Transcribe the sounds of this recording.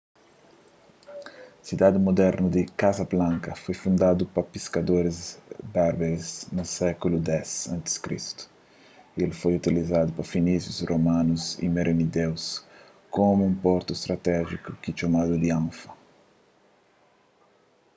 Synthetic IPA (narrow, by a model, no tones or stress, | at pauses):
sid̪ad̪ɪmod̪ɛɾnud̪ɪkazɐblãŋkɐfojfund̪ad̪upɐpiskad̪oɾɪzbaɾbeɾiznusɛkulud̪ɛsãnt̪ɪ̥skɾḭst̪u̥ | elfojut̪ilizad̪upɐfinizjusromãnuzḭmeɾʔenid̪ɛws | komuũmpɔɾt̪uest̪ɾat̪ɛʒikukɪt͡ʃomad̪ud̪iãwfɐ